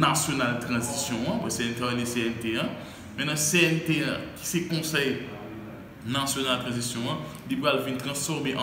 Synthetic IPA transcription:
nasjonalt̪ʁɐ̃zisjɔ̃ɐ̃bwɛseɛnt̪eeleseɛnt̪eɐ̃ | mɛ̃nɐ̃seɛnt̪eɐ̰̃ki̥sɛkɔ̃sɛj | nasjonalt̪ʁɐ̃zisjɔ̃ɐ̃ | lipʁalvĩnt̪ʁɐ̃sfɔʁmeʔã̰

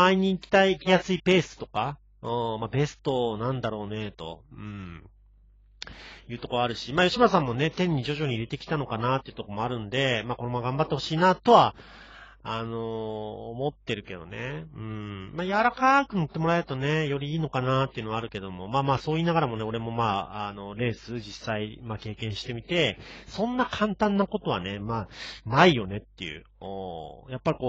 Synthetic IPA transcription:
aiɲ̟iːkʲi̥t̪aijasɨipe̞ːsɨ̥t̪o̞ka | ɯ̃ːmabe̞sɨ̥t̪o̞nãnd̪aɾo̞ːne̞t̪o̞̰ɯ̟̃ɴ | jɯ̟ːt̪o̞ko̞βaaɾɯ̟ɕimaːjo̞ɕimasãmːo̞ne̞t̪ẽ̞ɲ̟ːid͡ʑo̞ʑo̞ɲ̟iːɾe̞t̪e̞kʲi̥t̪ano̞kanat̪ːe̞iɯ̟t̪oko̞mo̞aɾɯ̟̃nd̪e̞maːko̞no̞maɡãmbat̪ːe̞ho̞ɕiːnaːt̪o̞βa | ano̞ːmo̞t̪ːe̞ɾɯ̟ke̞d̪o̞̰ne̞ɯ̟̃ɴmaːjaɾakakɯ̟not̪ːe̞mo̞ɾae̞ɾɯ̟t̪o̞ne̞jo̞ɾʲiiːno̞kanat̪ːeiɯ̟noaɾɯ̟ke̞d̪o̞mo̞maːmaːso̞ːiːnaɡaɾamo̞ne̞o̞ɾe̞mo̞maːano̞ɾe̞ːsɨd͡ʑisːaimaːke̞ːkẽɰ̃ɕi̥t̪e̞mʲit̪e̞sõ̞nːakʰãnt̪ãnːako̞t̪o̞βa̰ne̞maːnaijo̞ne̞t̪ːe̞̰jɯ̰o̰japːaɾʲiko̞ː

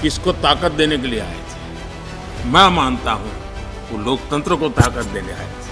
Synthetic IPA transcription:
kɪskot̪aːkət̪̚d̪eːnek̬eliea̰ːḛt̪ʰː | mɛ̃maːnt̪aɦũ | oloːkt̪ə̃nt̪ɾəkot̪aːkət̪̚d̪eːnea̰ːḛ

